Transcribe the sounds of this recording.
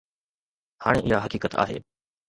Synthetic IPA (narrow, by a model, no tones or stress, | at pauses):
haːɽ̃eʔɪɦaɦɐkiːkət̪a̰ːɦḛː